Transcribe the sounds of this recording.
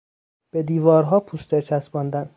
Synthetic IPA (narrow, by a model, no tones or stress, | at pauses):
b̥ed̪iːvɒːɾɦɒːpʰust̪et͡ʃʰæsbɒːnd̪æn